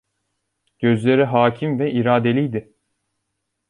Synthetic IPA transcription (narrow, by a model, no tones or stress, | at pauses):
ɟ̥ø̞zlʲe̞ɾiɦaːcʰimvɛʔiɾaːd̪e̞lʲijd̪ɪ